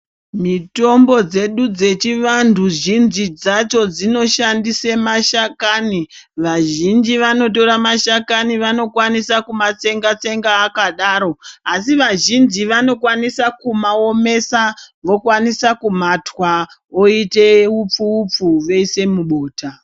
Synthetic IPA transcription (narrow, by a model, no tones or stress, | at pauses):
mito̞mbo̞d͡ze̞ɗud͡ze̞t͡ʃiʋantuʒinzid͡zat͡ʃo̞d͡zino̞ʃandisemaʃakaːni | ʋaʒind͡ʒiʋano̞t̬o̞ɾamaʃakaniʋano̞kwanisakumat͡se̞ŋɡat͡se̞ŋɡaːkaɗaːɾo̞asiʋaʒind͡ʒiʋano̞kwanisakumao̞me̞saʋo̞kwanisakum̤atwa | oiteup͡fuːp͡fuʋeise̞muɓo̞ːta